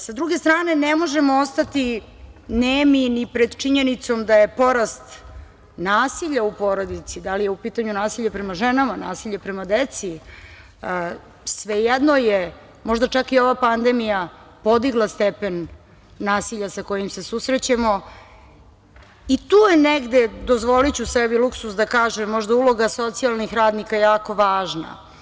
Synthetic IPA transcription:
sad̪ɾuɡe̞st̪ɾaːne̞nemo̞ʒemoost̪at̪i | neminipɾed̪t͡ʃiɲe̞nit̪so̞md̪aje̞po̞ɾast̪ | naːsiʎaupo̞ɾo̞d̪it̪sid̪alijeupiːt̪aɲunaːsiʎapɾemaʒenamana̰ːsiʎepɾemad̪et̪si | sʋejɛd̪noje | mo̞ʒd̪at͡ʃakio̞ʋapand̪emija | po̞d̪iɡlˠast̪epenː | aːsiʎasako̞jimse̞susɾet͡ɕamo̞ | it̪uːjeneɡd̪ed̪ozʋo̞lit͡ɕusebiluksusd̪akaːʒemːo̞ʒd̪aulˠo̞ɡaso̞t̪sialˠnixɾaːd̪nikajaːko̞ʋaːʒna̰

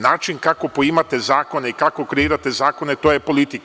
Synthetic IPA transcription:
naːt͡ʃinkako̞poimat̪e̞zaːko̞ne̞ikakokɾeiːɾat̪ezaːko̞ne̞t̪ojepo̞lit̪ik

